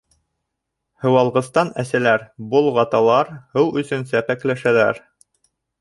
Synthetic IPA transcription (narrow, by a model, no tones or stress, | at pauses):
hɤ̆wɑlˠʁɤ̆st̪ɑnæsælæɾbolˠʁɑt̪ɑlˠɑɾhɤwɵ̆sɵ̆nsæpæklæʃælæ̰ɾ